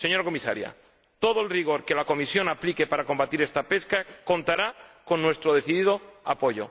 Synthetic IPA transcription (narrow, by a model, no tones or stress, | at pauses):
se̞ɲo̞ɾako̞misa̰ɾja̰ | t̪oð̞oelriɣ̞o̞ɾke̞lako̞misjo̞naplikepaɾako̞mbat̪iɾe̞st̪ape̞skako̞nt̪aɾako̞nːwe̞st̪ɾoð̞e̞θiðiðo̞apo̞ʝo̞̰